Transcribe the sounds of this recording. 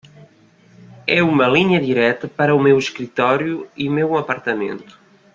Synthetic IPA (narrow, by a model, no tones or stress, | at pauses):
ɛumɐliɲɐðiɾɛt̪ɐpɐɾɐumeweʃkɾit̪ɔɾjuiumewɐpɐɾt̪ɐmḛ̃nt̪u̥